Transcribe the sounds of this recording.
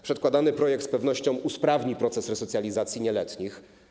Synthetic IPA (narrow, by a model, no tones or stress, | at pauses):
pʂɛt̪kwad̪anɘpɾɔjɛk̚t̪spɛvnɔɕt͡ɕɔ̃w̃uspɾavɲipɾɔt̪sɛsɾɛsɔt̪sʲjalʲizat̪sʲjiɲɛlɛt̪ɲix